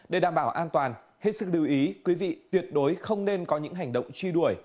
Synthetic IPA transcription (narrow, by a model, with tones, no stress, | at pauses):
ɗe˧˩ɗaː˧˩mɓaː˧˩wʔaː˧nt̪waː˨˩n | he˨˧˩t̚sɨ˨˦˥k̚lɨ˨˩əwʔi˨˦kwi˨˦vḭ˧˨t̪wi˨˩ət̚ɗo˨˦jxə˧wŋ͡mne˧nkɔ˨˦ɲɨ̰˧˥ŋɦa˨˩jŋ̟ɗə̰˧˨wŋ͡mt͡ɕwi˧ɗu˧˩əj